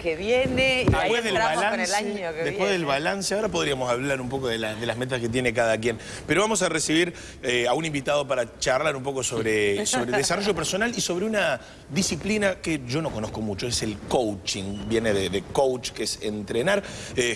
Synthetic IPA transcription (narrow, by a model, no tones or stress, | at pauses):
keβjened̪epweðelβalaneslaɲoked̪epwezðelβalanseaoɾap̬o̞ðɾiamosaβlaɾumpo̞koðelaðelaɦme̞t̪̬asket̪jenek̬aðak̬jen | peɾo̞β̞amo̞s̬aresiβiɾ | eaunimbit̪að̞o̞paɾat͡ʃarlaɾumpo̞ko̞soβɾesoβɾeðesaro̞ʒo̞p̬eɾso̞naliso̞βɾeuna | ðisiplinakeʒo̞no̞ko̞nohko̞mut͡ʃo̞eselkowt͡ʃiŋbje̞neðeðekowt͡ʃkeesent̪ɾenaɾe